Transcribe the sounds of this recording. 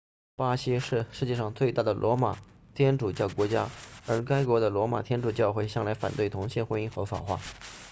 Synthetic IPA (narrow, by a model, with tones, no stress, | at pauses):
pa˥ɕi˥ʂɻ̩˥˧ʂɻ̩˥˧t͡ɕjɛ˥˧ʂɑ˥˧ŋt͡swe˥˧ɪt̪a˥˩d̪ə˩lʔwʔɔ˧˥ma̰˨˩ | t̪ʰjɛ˥nʈ͡ʂu˨˩t͡ɕjɑ˥˩ʊkwɔ˧˥t͡ɕja˥ə˞˧˥ka˥ɪkwɔ˧˥d̪ə˧lwɔ˧˥ma̰˨˩t̪ʰjɛ˥nʈ͡ʂu˨˩t͡ɕjɑ˥˧ʊxwe˥˧ɪɕjɑ˥˩ŋla˧˥ɪfa̰˨˩nt̪we˥˩ɪt̪ʰʊ˧˥ŋɕjɛ˥˩xwə˥i˥xɤ˧˥fɑ̰˨˩xwa̰˥˩